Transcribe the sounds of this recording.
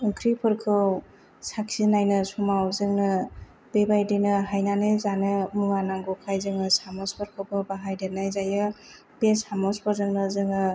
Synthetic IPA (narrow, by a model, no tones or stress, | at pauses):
ɯŋkʰɾipʰɯɾkʰɯw | sak̚sinajnɯsumawzɯŋnɯ | b̥ebajdenɯɦajnanajzanɯmuŋanaŋɡɔkʰajzɯŋɯsamɔspʰɯɾkʰɯwbɯbaɦajdenajzajɯ | besamɔspɔɾzɯŋnɯzɯŋɯ